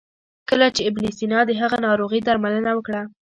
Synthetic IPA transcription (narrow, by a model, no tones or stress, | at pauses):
kəlat͡ʃeɪbnisinɑd̪əɦaɣanɑɾoɣid̪aɾmalənawəkɽa